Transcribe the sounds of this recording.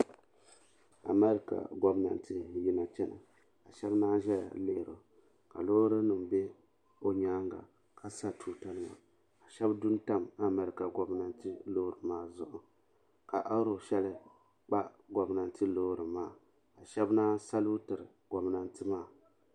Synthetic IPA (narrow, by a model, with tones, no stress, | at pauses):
a̰˨mɛ˦ɾɨ˦ka̰˨ɡɔ˦bna̰˨n˦tʰɨ˦ji˦na˨t͡ʃɛ˦na̰˨ | ka˨ʃɛ˦bnaː˦ʒɛ̰˦˨le˦ʔɾo˨ | ka˨loː˦ɾɨ˦nɨ˨m˨bɛ˦ | o˦ɲaː˦ŋɡa̰˨ | ka˦sa˦tʰuː˨ta˨lɨ˦ma̰˨ | a˨ʃɛ˦bdu˦n˦ta˦ma˨mɛ˨˦ɾɨ˨ka˨ɡɔ˨bna˨n˦tɨ˦lo˦ɾɨ˨maː˦zʊ˨ʔʊ˨ | ka˨ʔa˦ɾo˨ʃɛ˦lɨ˦ | k͡pa˦ | ɡɔ˨bna˨n˨tɨ˦loː˦ɾɨ˨maː˦˨ | a˨ʃɛ˦bnaː˦sa˦lu˦tɨ˨ɾɨ˨ɡ̥ɔ˨bna˨ntɨ˦maː˦˨